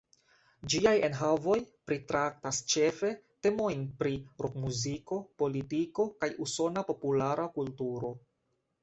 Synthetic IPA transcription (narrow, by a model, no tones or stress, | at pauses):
d͡ʒiaje̞nɦavo̞jpɾitɾak̚tast͡ʃe̞fe̞te̞mo̞jnpɾiɾʔokmuziko̞po̞litiko̞kajuso̞napo̞pulaɾʔakultuɾo̞